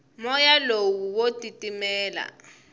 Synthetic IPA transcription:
mɔjalowuwotʼitʼimɛːla̰

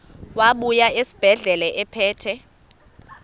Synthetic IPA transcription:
waɓujaesi̥b̥ʱɛɮɛlɛʔɛpʰɛːtʰɛ

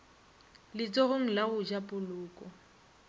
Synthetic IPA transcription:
lɪt͡sʼɔɣʊŋ̩laɣʊd͡ʒapʼʊlʊːkʼɔ

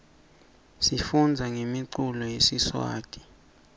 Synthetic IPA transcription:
sifund͡zʱaŋemiǀulɔjesiswa̰ːd̥ʼi̥

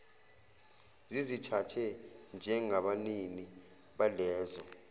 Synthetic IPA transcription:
zizitʰatʰɛnd͡ʒʱɛŋaɓanini | ɓalɛːzɔ

